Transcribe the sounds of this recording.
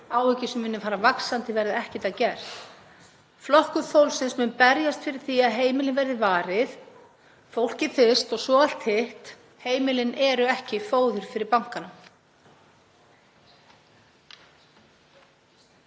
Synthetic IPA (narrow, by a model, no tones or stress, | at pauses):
aːwhʏcɪsʏmvɪnːʏfaːɾavaksant̪ɪvɛɾðɪɛhcɪt̪aðcɛɾ̥ | flɔhkʏθowlsɪnsmʏnpɛɾjast̪fɪɾɪɾ̥θiaðɦeːjmɪlɪnvɛɾðɪvaːɾɪθ | fowl̥cɪfɪst̪ɔɣsvɔːal̥t̪hɪht̪ | heːjmɪlɪnɛɾʏɛhcɪfoːwðʏɾ̥fɪɾɪɾpaŋ̥kana